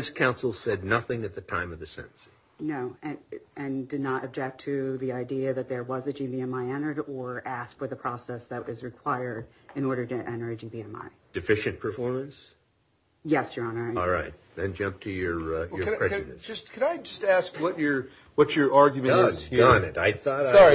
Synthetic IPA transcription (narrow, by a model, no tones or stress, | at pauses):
ɪskʰãʊ̃nsl̩ˠsɛdⁿnʌθɪ̃ŋɨt̪̚ðɨtʰãɪ̃mʌvðɨsɛ̰̃ɾn̩si̥ | noʊɨ̃nɨ̃ndɨdⁿnəɾʔɨb̚d͡ʒɛk̚tʰɨðiaɪdiɨðɨt̪̚ðə˞wʌzɨd͡ʒibiɛ̃maɪɛ̃ɾ̃ə˞ɾə˞ʔæskfə˞ðəpʰɹ̥ɔsɛsðɨtwʌzɹɨkʰw̥aɪə˞ɾ | ɨ̃nɔɹɾə˞ɾɨʔɛ̃ɾ̃ə˞ɨd͡ʒibiɛ̃ma̰ɪd̥ɨfɪʃɨ̃npʰə˞fɔɹmɨ̃ns | jɛsjə˞ɑnə˞ɔlˠɹaɪt̚ðɨ̃nd͡ʒʌ̃mp̚tʰɨjə˞jə˞ɹɛɨ̃d͡ʒʌskʰɨ̃naɪd͡ʒʌstæskwʌt͡ʃə˞ | wʌtə˞ɑɹɡjmɨzjə̃nɨɾaɪθɔɾɑɹi